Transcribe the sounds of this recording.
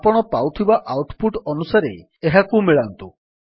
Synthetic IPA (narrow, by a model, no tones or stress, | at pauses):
pɔɽ̃ɔpawt̪ʰibaʔawʈpuʈɔnusaɾḛ | eɦakumiɭant̪u